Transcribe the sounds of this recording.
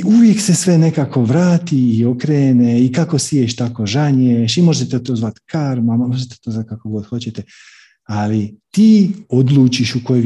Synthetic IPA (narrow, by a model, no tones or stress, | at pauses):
uʋje̞kse̞sʋe̞ne̞kaːko̞ʋɾaːt̪iːo̞kɾeːneikako̞sieʃt̪ako̞ʒaɲeʃimo̞ʒet̪et̪o̞ːzʋat̪kaɾmammoʒet̪et̪oːzat̪̚kakoɡo̞d̪xo̞t͡ɕet̪e | alit̪iːo̞d̪lˠuːt͡ʃiʃukoo